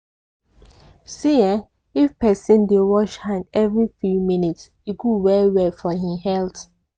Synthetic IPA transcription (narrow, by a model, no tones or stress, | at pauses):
siɛ̃ | ifpɛsĩndewɔʃhãɪndɛvɹifjumĩnits | iɡuwɛwɛfɔɦihɛlθ